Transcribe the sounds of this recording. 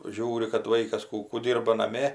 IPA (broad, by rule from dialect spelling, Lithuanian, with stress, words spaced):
ˈʒʲuːrʲɪ kɐt ˈʋɐɪkɐs ˈkuː kuː ˈdʲiːrbɐ nɐˈmʲeː